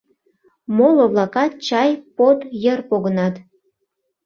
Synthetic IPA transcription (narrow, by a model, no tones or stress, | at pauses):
moloβlˠɑkɑt̪̚t͡ɕɑjpot̪jərpoɣənɑt̪